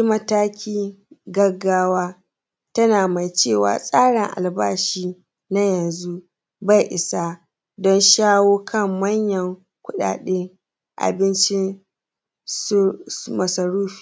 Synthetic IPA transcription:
i˦mɐ˦taː˦kʲiː˦ɡɐ˦ɡːaː˦waː˦ | tɐ˦naː˨ma˨jt͡ʃeː˦˨wa̰ː˨sʼaː˦ɽɪ˨ŋʔa̰˨lbaː˦ʃiː˦ | na˦jɐ˨nzu˦ | ba˦˨jʔɪ˨sa˦ | dɔ˦nʃaː˦woː˦kʰɐ˦˨mːɐ˦ɲjɐ˨ŋ | kʷʊ˦ɗa̰ː˨ɗe˦ŋ | ʔa̰˨bɪ˦nt͡ʃɪ˦n | smɐ˨sɐ˨ɽuː˦ɸi̥ː˨

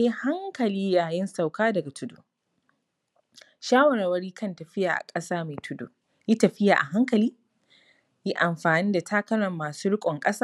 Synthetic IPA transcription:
ji˦ha˦ŋkɐ˨liː˦jaː˨jɪ˦nsa˨wkaː˦dɐ˨ɡa˨tʰʊ˦dṵː˨ | ʃaː˦wɐ˨ɾaː˨wɐ˦ɽiː˦kʰɐ˦˨ntɐ˨ɸɪ˦jaː˨ʔa̰˨kʼɐ˦saː˦meː˨tʰʊ˦dṵː˨ | ji˦tɐ˨ɸɪ˦ja̰ː˨ʔa̰˨ɦa˦ŋkɐ˨liː˦ | ji˦ʔa˨mɸaː˨niː˦da˨tʰaː˦kɐ˦ɾɐ˨mːaː˨suː˦ɽɪ˦kʷʼɔ˨ŋkʼɐ˦saː˦

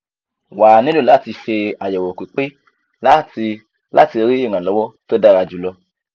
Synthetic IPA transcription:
wa˨nĩ˨˦lo˦˨la˨˦˨ti˧fe˧a˨jɛ˨wo˨kʷi˨˦k͡pe˦ | la˦˨ti˧ | la̰˦ti˧e˧ɾi˦e˦˨ŋã˨lɔ˨˦wɔ˦to˦da˦˨ɾa˧d͡ʒu˨˦lɔ˧

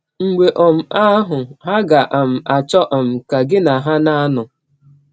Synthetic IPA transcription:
ŋ͡m̩˨ɡ͡be˨ʔɔ˨m̩˨a˦ɦʊ˨ɦa˦ɡa˨ʔa˨m̩˨a˨t͡ʃɔ˦ʔɔ˨m̩˨ka˨ɡɪ˦na˨ɦa˦na˦nʊ˨

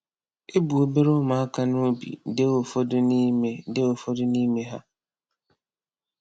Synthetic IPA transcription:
e˦bu˨o˦be˦ɾo˦ma˨a˦ka˦no˦bḭ˨de˦o˨fo˦dʊ˦ni˦me˦de˦o˨fo˦dʊ˦ni˦me˦ɦa̰˦

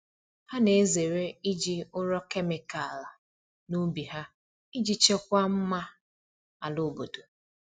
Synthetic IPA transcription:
ha˦ne˨˦ze˨ɾe˦i˦d͡ʒi˦ʊ˦ɾɔ˦ke˦mɪ˨ka˨la˨ | nu˦bi˨ɦa˦ | i˦d͡ʒi˦t͡ʃe˦kʷa˦m̩˦ma˦ | a˨lʊ˦˨bo˨do˨

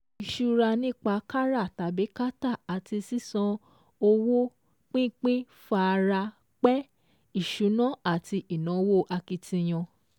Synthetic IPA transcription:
i˨ʃu˧ɾa˧nĩ˦˨k͡pa˧˦ka˦ɾa˦˨ta˨be˨˦ka˦ta˦˨a˨ti˧si˦sã˧ | o˧wo˦ | k͡pĩ˦k͡pĩ˦ | fa˧ɾa˧ | k͡pɛ˦ | i˦˨ʃu˨˦nã˦a˦˨ti˧i˨nã˨˦wo˦ʔa˧ki˧tĩ˧j̃ɔ̃˧

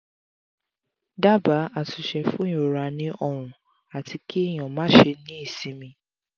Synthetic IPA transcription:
da˦ba˨˦a˨su˨ʃɛ˧fũ˦jo˨ɾa˧˦nĩ˦ʔɔ˧ɾ̃ũ˨ | a˨ti˧ki˦˨j̃ɔ̃˨mãː˨˦ʃe˧nĩ˦i˦˨sĩ˨˦mĩ˧

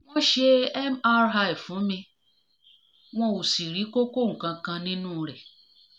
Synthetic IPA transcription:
w̃ɔ̃˦ʃe˧ɛ˦ma˦ɾɦa˧i˨fũ˨˦mĩ˧ | w̃ɔ̃˧o˨si˨ɾi˨˦ko˦ko˦˨ŋ̩˨kã˧kã˧nĩ˦nũ˦˧ɾɛ˨

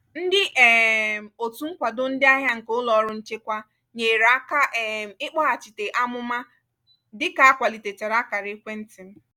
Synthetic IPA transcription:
n̩˦dɪ˦ʔɛ˨m̩˨o˨tu˦ŋ̩˦kʷa˨dʊ˦n̩˦dɪ˦a˦ɦja˦ŋ̩˨kʊ˦lɔ˨˦ɾʊ˦n̩˦t͡ʃe˦kʷa˦ | ɲe˨ɾa˦ka˦ʔɛ˨ɪ˦k͡pɔ˦a˨t͡ʃi˨te˨ʔa˦mʊ˦ma˦ | dɪ˦ka˨a˦kʷa˨li˨te˨t͡ʃe˨ɾa˦ka˨ɾɪ˦kʷe˦n̩˦tɪ˨m̩˦

